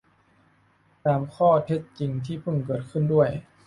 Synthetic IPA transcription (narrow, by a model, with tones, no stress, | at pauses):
t̪aː˨mkʰɔː˥˩t̪ʰe˧˥t̪̚t͡ɕi˨˩ŋt̪ʰiː˥˩pʰɤ˧˩ŋkɤː˨˩t̪̚kʰɯ˥˩ndu˥˩əj